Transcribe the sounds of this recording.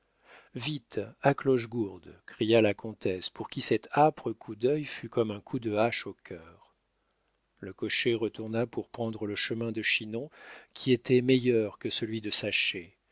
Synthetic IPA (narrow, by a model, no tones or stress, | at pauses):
vit̪aklɔʒɡuʁd̪kχijalakʰɔ̃t̪ɛspuʁkʲisɛt̪apχəkʰud̪œjfykɔmɛ̃kʰud̪əaʃokʲʰœːʁ | ləkɔʃeʁət̪uʁnapuʁpχɑ̃d̪ʁələʃəmɛ̃d̪əʃinɔ̃kʲʰiet̪ɛmejœʁkəsəlɥid̪əsaʃe